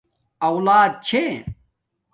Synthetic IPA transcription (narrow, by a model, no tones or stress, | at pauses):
ɐwlaːd̪̚t͡ɕʰe